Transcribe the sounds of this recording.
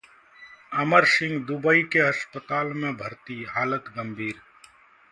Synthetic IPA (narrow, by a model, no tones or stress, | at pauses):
əməɾsɪ̃ŋɡd̪ubəikeɐʃpət̪aːlmẽbʱəɾt̪iɦaːlət̪ɡəmbʱiːɾ